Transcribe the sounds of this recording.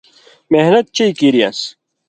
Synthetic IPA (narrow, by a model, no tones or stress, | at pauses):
mehnɐt̪̚t͡ɕejkiːɾija̰s